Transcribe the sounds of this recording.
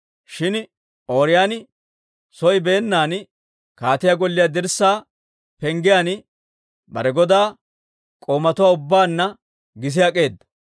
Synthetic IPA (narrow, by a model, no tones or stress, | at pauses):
ʃɪn | o̞ːɾɪjaːn | sɔjbe̞ːnːaːn | kaːt̪ɪjaɡɔlːɪjad̪ɪɾsːaː | pɛŋɡɪjan | bɐ̰ɾɛɡɔd̪aː | kʼoːmɐt̪ʊwaːʊbːaːnːɐ | ɡɪs̬ɪjɐkʼe̞ːd̪ɐ